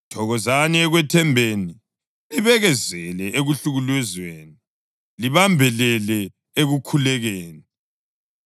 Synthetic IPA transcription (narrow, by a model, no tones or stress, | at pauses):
tʰɔɣɔzaniɛɣwɛtʰɛmbʱeːni | liβɛɣɛzɛlɛʔeɣuɬuɣulwɛzweːni | liβambʱɛlɛlɛ | eɣukʰulɛɣeːni